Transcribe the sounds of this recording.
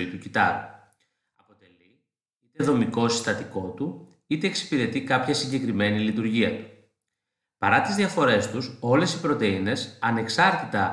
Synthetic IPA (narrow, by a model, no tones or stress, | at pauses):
it̪ucit̪ɐ̰ɾṵ | ɐpo̞t̪e̞li | it̪eðo̞miko̞si̥st̪ɐt̪iko̞t̪u | it̪e̞ːksi̥piɾe̞t̪ikɐpçɐsiɲɟe̞kɾime̞nilit̪uɾʝiɐt̪u̥ | pɐɾɐt̪izðiɐfo̞ɾe̞st̪uso̞le̞sipɾo̞t̪e̞ine̞sɐne̞ksɐɾt̪it̪ɐ